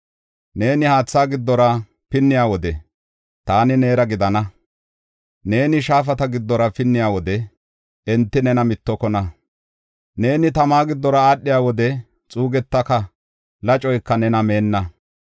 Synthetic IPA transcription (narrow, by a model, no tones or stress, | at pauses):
ne̞ːnɪhaːt͡sːaːɡɪd̪ːɔɾɐ | pɪnːɪjaːwɔd̪ɛ | t̪aːnɪne̞ːɾɐɡɪd̪ɐnɐ | ne̞ːnɪʃaːf̬ɐt̪ɐɡɪd̪ːɔɾɐpɪnːɪjaːwɔd̪ɛ | ɛnt̪ːɪnɛnɐmɪt̪ːɔkɔnɐ | ne̞ːnɪt̪ɐmaːɡɪd̪ːɔɾɐaːɗːɪjaːwɔd̪ɛ | t͡sʼuːɡɛt̪ːɐkɐ | lɐt͡ʃʼɔjkːɐnɛnɐme̞ːnːɐ